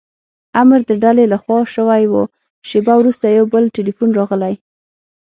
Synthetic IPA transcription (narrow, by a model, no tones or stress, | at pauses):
amɾd̪əɖalelaxwɑʃəwajwo | ʃebawɾust̪ajawbəlʈelifunɾɑɣəlaj